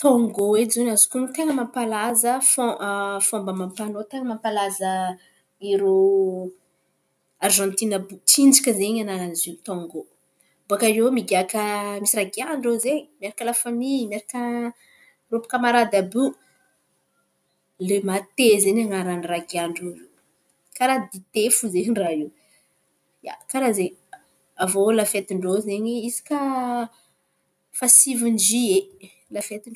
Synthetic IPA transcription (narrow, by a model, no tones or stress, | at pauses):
t̪ɔ̃ŋɡoed͡ʒzonazikunt̪eŋəmampalazəfofombəmampanot̪eŋəmampalazə | iɾo | arʒɑ̃nt̪inəbut͡ʃind͡ʒakʲəzeɲanaɾanizit̪ɔ̃ŋɡo | buakaɾewmiɡakəmisiraɡiaɳɖ͡ʐezeɲimeɾakəlafamimeɾakə | ropu̥kəmaɾad̪abu | lemat̪ezeɲaŋaɾaniraɡiaɳɖ͡ʐo | kaɾad̪it̪efuzeɦɳɖ͡ʐaiw | ja̰kaɾazeɲ | avolafet̪iɳɖ͡ʐozeɲiizi̥ka | fasivund͡ʒie | lafet̪iɳ